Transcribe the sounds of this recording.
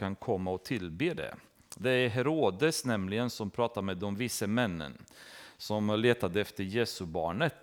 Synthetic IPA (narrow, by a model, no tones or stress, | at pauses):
kʰankʰɔmːaɔt̪ʰɪlbeːd̪ɛ̰ | d̪ɛæɾɦɛɾoːd̪əsnɛmlɪɡənsɔmpʰɾɑːt̪aɾmɛːd̪ɔmvɪsːəmɛnːə̰nsɔmleːt̪ad̪əɛft̪əɾjeːsɵbɑːɳət̪